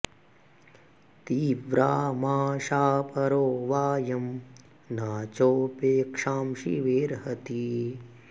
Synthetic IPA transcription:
t̪iːʋɾaːmaːʃaːpɐɾoːʋaːjɐm | naːt͡ʃoːpeːkʂaːmʃḭʋeːɾɦɐt̪i

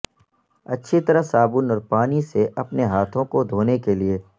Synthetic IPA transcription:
ɐtːʃʰit̪ɐɾəsaːbʊnɔːɾpaːniseʔɐpneɦaːt̪ʰõkod̪ʱoːnekelie

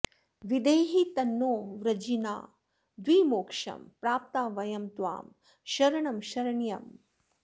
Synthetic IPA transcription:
ʋid̪ɐjɦit̪ɐnːoːʋɾɐd͡ʒina̰ː | d̪ʋiːmoːkʂɐ̰mpɾaːp̚t̪aːʋɐjɐmt̪ʋa̰ːm | ʃɐɾɐɳɐmʃɐɾɐɳjɐm

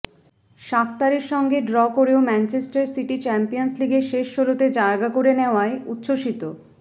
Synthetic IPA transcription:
ʃakt̪aɾiɾʃɔŋɡeɖɾɔkoɾeomɛnt͡ɕesʈaɾsiʈit͡ɕɛmpijonsliɡeʃeʃʃolot̪ed͡ʑaeɡakoɾeneoaeut̪ːʃoʃit̪o

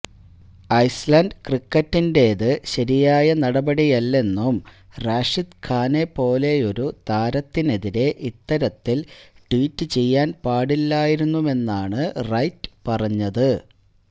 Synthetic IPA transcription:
ɐjslɐnɖkrikːɐtːinde̞ðɨɕɐɾijaːjɐnɐɽɐbɐɽijɐlːe̞nːum | raːʂid̪kʰaːne̞po̞ːle̞jo̞ɾut̪aːɾɐt̪ːine̞ðiɾe̞ʔit̪ːɐɾɐt̪ːilʈwiːtːɨt͡ɕe̞jːaːnpaːɽilːaːjiɾunːume̞nːaːɳɨrɐjtːɨ̥pɐrɐɲːɐðɨ

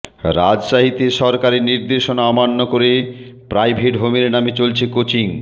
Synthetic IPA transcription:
ɾad͡ʑʃaɦit̪eʃɔɾkaɾeniɾd̪eʃonaɔmanːokoɾepɾajbʱeʈɦomeɾnamet͡ɕolt͡ɕʰekot͡ɕiŋ

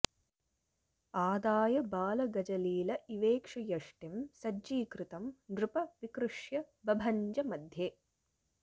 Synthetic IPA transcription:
aːd̪aːjɐbaːlɐɡɐd͡ʒɐliːlɐʔiʋeːkʂɐjɐʂʈimsɐd͡ʒiːkɾɪt̪ɐmd̪ɾupɐʋikɾuʂjɐ | bɐbʱɐɲd͡ʒɐmɐd̪ʱjeː

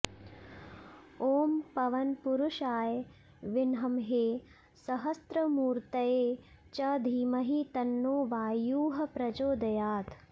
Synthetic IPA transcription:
oːmpɐʋɐnpuɾuʃaːj | ʋɪnɦɐmɦeː | sɐɦɐst̪ɾɐmuːɾt̪ɐjeː | t͡ʃɐd̪ʱiːmɐɦit̪ɐnːoːʋaːjuːɦɐpɾɐd͡ʒoːd̪ɐjaːt̪

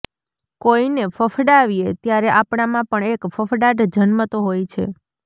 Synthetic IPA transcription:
koinefʰəfʰɖaʋiet̪jaɾeʔapɳamãpəɳekfəfɖaʈd͡ʒənmət̪oɦojt͡ʃʰḛ

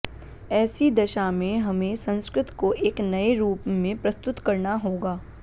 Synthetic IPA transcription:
ɛːsid̪ɐʃamẽɦɐmẽsɐ̃nskɾɪt̪koʔeːknɐeɾuːpmẽpɾɐst̪ʊt̪kɐɾnaɦoːɡaː

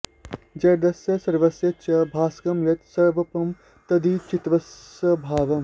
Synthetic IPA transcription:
d͡ʒɐjd̪ɐsjɐsɐɾʋɐsjɐt͡ʃɐbʱaːskɐmʋɐt̪sɐɾʋɐpɐm | t̪ɐd̪iːt͡ʃit̪ʋɐs | ɐbʱaːʋɐm

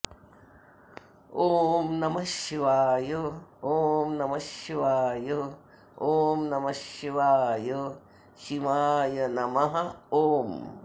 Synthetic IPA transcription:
oːmnɐmɐʃʋaːjooːmnɐmɐʃjʋaːjo | oːmnɐmɐʃjʋaːjo | ʃimaːjɐnɐmɐɦɐoːm

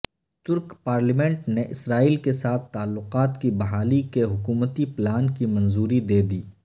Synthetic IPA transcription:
t̪ʊɾkpaːɾlimɛ̃ɳʈneʔɪsɾaːiːlkesaːt̪ʰːaːlːʊqaːt̪kibɐɦaːlikeɦʊkuːmət̪iplaːnkimɐ̃nzuːɾid̪eːd̪iː

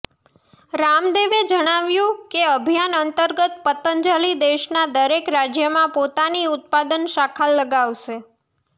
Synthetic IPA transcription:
ɾamd̪eʋed͡ʒəɽ̃aʋjũkeəbʱijanənt̪əɾɡət̪pət̪ənd͡ʒalid̪eʃnad̪əɾekɾad͡ʒjəmãpot̪aniʊt̪̚pad̪ənʃakʰalːəɡaʋʃe

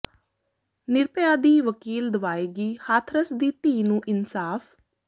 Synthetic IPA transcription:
nɪɾpəjaːd̪iːʋəkiːld̪əʋaːeːɡiːhaːt̪ʰɾəsd̪iːt̪ĩːnũːʔɪnsaːfʰ

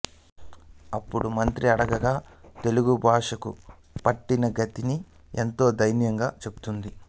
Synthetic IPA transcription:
ɐpːuɽumɐnt̪ɾiɐɽɐɡɐɡaːt̪e̞luɡubʱaːʂɐkṵ | pɐʈːinɐɡɐt̪ini | e̞nt̪o̞ːd̪ɐjnjɐŋɡaːt͡ʃe̞bu̥t̪und̪i

